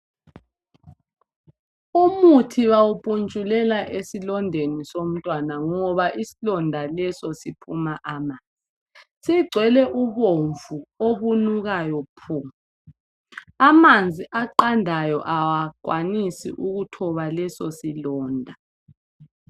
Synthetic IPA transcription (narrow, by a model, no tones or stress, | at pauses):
umutʰiβawupʼunt͡ʃʼulɛlaʔesilɔndʱenisom̩tʼwanaŋɔβaʔisilɔndʱalɛsɔsipʰumaʔamand͡zʱi | siɡ͡ǀʱwɛlɛʔuβoɱvuoβunuɣajɔpʰu | amand͡zʱiʔaǃandʱajɔ̰ʔawaǃwanisḭʔuɣutʰɔβalɛsɔsilɔːndʱa